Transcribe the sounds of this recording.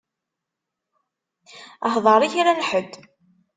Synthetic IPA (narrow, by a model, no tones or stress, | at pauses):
əhðˤɑɾˤiçiɾænħəd̪